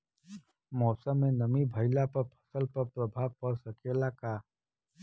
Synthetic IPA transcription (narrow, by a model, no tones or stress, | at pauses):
mɔːsəmːẽnəmibʱəɪlapəɾpʰə̥səlpəɾpɾəbʱaːʋpəɾsəkelakaː